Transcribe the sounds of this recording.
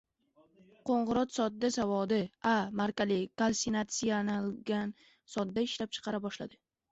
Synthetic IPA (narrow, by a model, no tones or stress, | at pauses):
qʰoɴʁɨɾɒt̪sɒt̪̚d̪asavɒd̪ɪamaɾkʲalɪkalsinat̪sijanalɡʲan | sɒt̪̚d̪aɪʃlap̚t͡ʃʰɨ̥qʰɑɾabɒʃlad̪ɪ